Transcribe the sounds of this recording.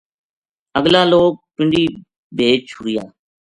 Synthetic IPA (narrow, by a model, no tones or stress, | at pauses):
əɡlaːloːk̚pɪɳɖiː | bʱeːt͡ʃʰʊɾɪjaː